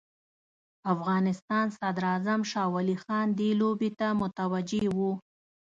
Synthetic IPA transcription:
afɣɑnɪst̪ɑnsad̪ɾɑzamʃɑwɑlixɑnd̪elobet̪amʊt̪awad͡ʒewu

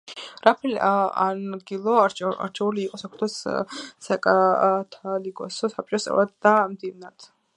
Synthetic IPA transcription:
ɾapʰɛliaanɡilˠɔɾa̰ɾt͡ʃʰɛuliːqʼɔsakʰɾt̪ʰɛssakʼat̪ʰalikʼɔsɔsap̚t͡ʃʼɔst̪ʼɛ̰vad̪d̪amd̪ivnad̪̥

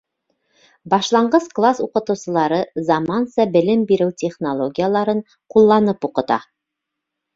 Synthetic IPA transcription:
bɑʃlˠɑɴɢɤzklˠasuqɤ̆t̪ɤ̆wsɤ̆lˠɑɾɤzɑmɑnsɑbɘ̆lɘmbiɾɘwtʲeχnolˠoɡʲijəlˠɑɾɤɴ | qulˠːɑnɤpuqɤ̆t̪ɑ̰

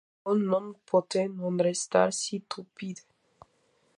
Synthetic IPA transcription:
unːɔmpʰɔt̪enɔnɾest̪a̰ɾsit̪ʰupid̪e

